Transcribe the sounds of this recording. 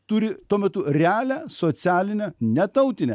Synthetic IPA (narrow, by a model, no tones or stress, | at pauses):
t̪ʊɾʲɪt̪uɔmʲɛt̪ʊɾʲɛæːlʲæːsoːsʲæːlʲɪnʲɛnʲɛt̪ɐʊt̪ʲɪnʲɛ